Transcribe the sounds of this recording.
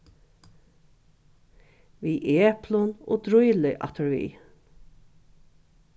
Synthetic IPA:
ʋiːʔeːpʰlʊno̰ːd̪ɾʊjlɪʔɑ̰t̪ʰəɹʋḭː

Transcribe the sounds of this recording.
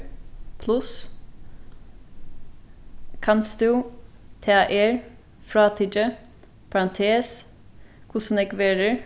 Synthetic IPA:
pʰlʉs | kʰɑnsd̪ʉːt̪ʰeːɑːʔeːɹ | fɾɑːt̪ʰidə | pʰɑɹɑnt̪ʰeːs | kʰʊsənɛkʋeːɾəɹ

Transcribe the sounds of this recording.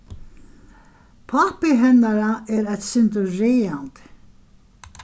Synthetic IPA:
pʰapɪɦɛnːaɾaɛɾɛt̪sɪnt̪ʏɾeːant̪

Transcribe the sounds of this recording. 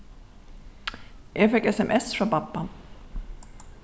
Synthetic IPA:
ʔafɛkɛsɛmʔɛsfɾɔpapːan

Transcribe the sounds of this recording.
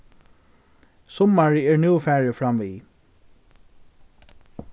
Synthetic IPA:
sɔmaɹɛːɹnuːfæːɹəfɹamʋiː

